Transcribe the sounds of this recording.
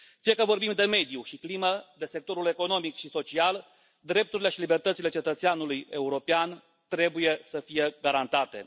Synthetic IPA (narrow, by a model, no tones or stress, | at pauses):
fijekəvo̞rbimd̪e̞me̞d̪juʃikliməd̪e̞se̞k̚t̪o̞ɾule̞ko̞no̞mikʃiso̞t͡ʃial | d̪ɾe̞p̚t̪uɾile̞ʃilibe̞rt̪ət̪sile̞t͡ʃet̪ət̪seanuluje̞uɾo̞pean | t̪ɾe̞buje̞səfije̞ɡaɾant̪at̪e̞̰